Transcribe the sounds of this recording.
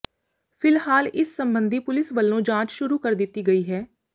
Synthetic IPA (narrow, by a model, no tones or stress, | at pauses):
pʰɪlhaːlɪsːəmbənd̪ʱiːpʊlɪsʋəlːõːd͡ʒãːt͡ʃʃʊɾuːkəɾd̪ɪt̪ːiːɡəiːɦɛː